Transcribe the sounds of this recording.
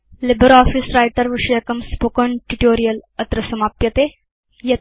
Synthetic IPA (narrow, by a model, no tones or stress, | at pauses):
libəɾɔːfisɾajʈəɾʋiʂəjɐkɐmspoːkəɳʈuʈoːɾijəlɐt̪ɾɐsɐmaːpjɐt̪e | jɐ